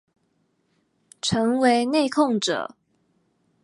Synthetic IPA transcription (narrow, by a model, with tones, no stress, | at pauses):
ʈ͡ʂʰɤ˧˥ŋwe˧ɪne˥˧ɪkʰʊ˥˨ŋʈ͡ʂɤ̰˨˩˦